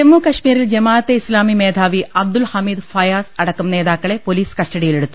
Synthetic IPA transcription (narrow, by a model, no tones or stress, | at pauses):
emːukɐʂmiːɾild͡ʑɐmaːt̪ːeislaːmimeːd̪ʱaːʋiɐbd̪ulhɐmiːd̪fɐjaːsɐɽɐkːɐmneːðaːkːɐɭe̞po̞liːskɐsʈɐɽijile̞ɽut̪ːu